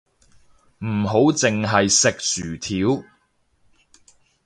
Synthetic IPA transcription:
m̩˨˩ɦo˨˥wt͡sɪ˨ŋɦɐ˨jsɪ˨k̚syː˨˩t̪ʰiː˨˥w

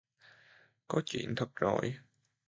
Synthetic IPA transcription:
kɔ˨˦t͡ɕḭ˧˩ənt̪ʰə˨˩k̚zo̰˧˩j

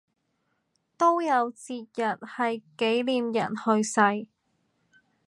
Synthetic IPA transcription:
t̪o˥wjɐ˨˧wt͡siː˧t̚jɐ˨t̚hɐ˨jke˨˥jliː˧mjɐ̰˨˩nhɵ˧ɥsɐ˧j

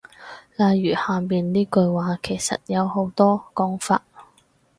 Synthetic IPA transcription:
laː˨jjyː˨˩haː˨miː˨nniː˥kɵ˧ɥwaː˨˥kʰe˨˩jsɐ̰˨t̚jɐ˨˧who˨˧˥wt̪ɔː˥kɔː˨˥ŋfa̰ː˧t̚

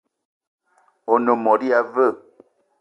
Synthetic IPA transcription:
o˨no˨mɔ˨di˦a˨və˦˨

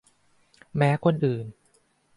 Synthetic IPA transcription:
mɛː˦˥kʰo˧nʔɯː˨˩n

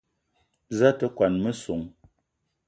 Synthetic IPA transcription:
za˦tə˦kwa˨nmə˦so˨ŋ

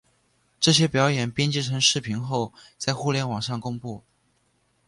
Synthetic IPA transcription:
ʈ͡ʂɤ˥˩ɕjɛ˥pjɑ˧˥ʊjɛ˨˩npjɛ˥nt͡ɕi˥ʈ͡ʂʰɤ˧˥ŋʂɻ̩˥˩pʰi˧˥nxo˥˧ʊt͡sa˥˧ɪxu˥˧ljɛ˥˩nwɑ˨˩ŋʂɑ˥˩ŋkʊ˥ŋpu˥˩

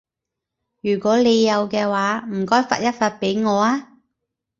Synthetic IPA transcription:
jyː˨˩kʷɔː˨˥le˨˧jːɐ˨˧wkɛː˧waː˨˥m̩˨˩kɔː˥jfa̰ː˧t̚jɐ˥t̚faː˧t̚pe˨˥jŋɔː˨˧aː˥

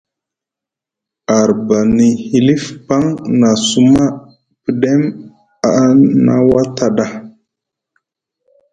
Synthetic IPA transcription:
a˨ɾba˨ni˨hi˨li˦fpa˦ŋna˨su˦ma˦ | pi˨ɗe˦m | a˨na̰˦wa˦ta˨ɗa˦

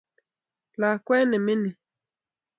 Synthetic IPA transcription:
la˨kwɛ˦nɪ˨mɪ˦ni˨

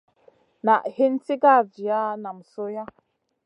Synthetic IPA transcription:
na˨ʔhe˦n̩˦ti˦ɡa˦˨vi˨a˦na˨m̩˨so˦ja˦

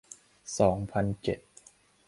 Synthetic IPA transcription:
sɔː˩˦ŋpʰa˧nt͡ɕe˨˩t̪̚

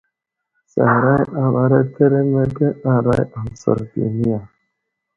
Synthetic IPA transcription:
sa̰˨ɾa˦ja˨ba˨˦ɾe˦tʰe˦ɾe˦me˦te˦a˦ɾa˦ja˨sə̰˨ɾtḭ˨ni˦ja˨

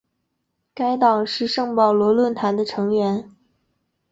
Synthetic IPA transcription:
ka˥ɪt̪ɑ˨˩ŋʂɻ̩˥˧ʂɤ˥˧ŋpɑ˥˩ʊlwɔ˧˥lwə˥˩nt̪ʰa˧˥nd̪ə˧ʈ͡ʂʰɤ˧˥ŋɥɛ˧˥n

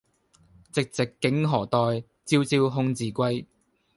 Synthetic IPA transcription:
t͡sɪ˨k̚t͡sɪ˨kːɪ˨˥ŋɦɔː˨˩t̪ɔː˨j | t͡siː˧˥wt͡siː˧wɦʊ˥˧ŋt͡siː˨˩kʷɐ˥j

